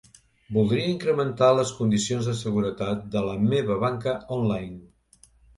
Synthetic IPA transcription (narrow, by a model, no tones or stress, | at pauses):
bulˠd̪ɾiəiŋkɾəmənt̪aləskund̪isionzðəsəɣuɾət̪at̪̚d̪ələmeβəβaŋkəɔnlajn